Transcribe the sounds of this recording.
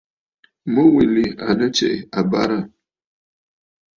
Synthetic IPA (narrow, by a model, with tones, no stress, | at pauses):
mə˦wi˨li˨a˨nə˦t͡ʃɛ̰˨a˨ba˦ɾa˦˨